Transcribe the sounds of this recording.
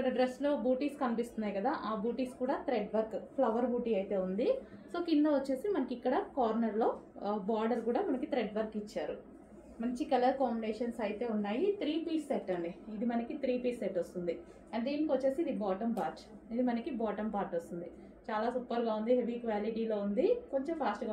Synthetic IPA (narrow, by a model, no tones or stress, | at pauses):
ikːɐɽɐɖɾeslo̞ːbuːʈiːskɐnipist̪unːaːjkɐd̪aːʔaːbuːʈiːskuːɽaːt̪ɾeɖʋɐɾkpʰlɐʋɐɾbuːʈiːɐjt̪e̞ːund̪i | so̞ːkind̪ɐʋɐt͡ʃːe̞ːsimɐnɐkikːɐɽɐkaːɾnɐɾlo̞ːbaːɾɖɐɾkuːɽaːmɐnɐkit̪ɾeɖʋɐɾkit͡ʃːaːɾu | mɐɲt͡ʃikɐlɐɾkaːmbiɖeːʂɐnsɐjt̪e̞ːunːaːjit̪ɾiːpiːsːeʈːɐɳɖiːd̪imɐnɐkit̪ɾiːpiːseɛʈːost̪und̪i | ɐɳʈeinikʋɐt͡ʃːe̞ːsiːd̪ibɔːʈɐmpaːɾʈ | id̪imɐnɐkibaːʈɐmpaːɾʈost̪und̪i | t͡ʃaːlaːsupːɐɾɡaːund̪iɦe̞ʋiːkʋaːliʈiːlo̞ːund̪iko̞ɲt͡ʃempʰaːsʈɡa